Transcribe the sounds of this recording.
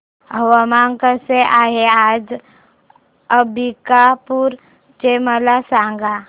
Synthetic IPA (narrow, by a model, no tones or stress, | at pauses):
ɦəwamaŋkəseʔaːɦeaːd͡ʒ | əbikapuɾ | t͡ʃeməlasãːŋɡa